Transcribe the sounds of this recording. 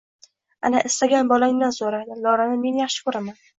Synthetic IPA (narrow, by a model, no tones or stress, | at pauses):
a̰naʔɪst̪aɡʲanbɒlaŋnansoɾad̪ɪlɒɾanɪme̞njaχʃɪ̥kʰɵɾaman